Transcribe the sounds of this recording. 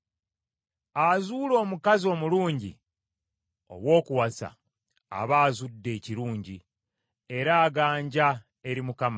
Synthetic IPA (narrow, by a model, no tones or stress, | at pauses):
azuːlo̞ːmukazio̞ːmuluːɲɟḭ | o̞̰βwo̞ːkuwasa̰ | a̰βaːzudːe̞ːciɾuːɲɟi | e̞ɾaːɡaːɲɟa | e̞ɾimukama